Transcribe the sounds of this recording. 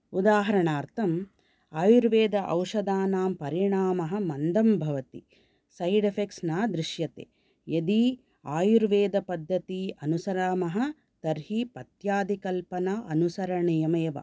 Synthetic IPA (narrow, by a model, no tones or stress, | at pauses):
ud̪aːɦɐɾɐɳaːɾt̪ʰɐm | aːjuɾʋeːd̪ɐʔɐwʂɐd̪aːnaːmpɐɾiɳaːmɐɦɐ̆mɐnd̪ɐmbʱɐʋɐt̪i | sɐjɖɐpʰeksnaːd̪ɾiʃjɐt̪ḛː | jed̪i | aːjuɾʋeːd̪ɐpɐd̪ʱːɐt̪iɐnusɐɾaːmɐɦɐ̆ | t̪ɐɾɦipɐt̪jaːd̪ʱikɐlpɐnaʔɐnusɐɾɐɳijɐmeːʋɐ̰